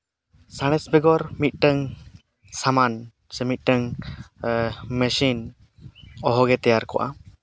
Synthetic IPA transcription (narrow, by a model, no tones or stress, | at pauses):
saɽ̃ɛsbɛɡɔɾmit̪̚ˀʈəŋ | saman | sɛmit̪̚ˀʈəŋ | məsin | ɔɦɔɡɛt̪ɛjaɾkɔ̰ʔa̰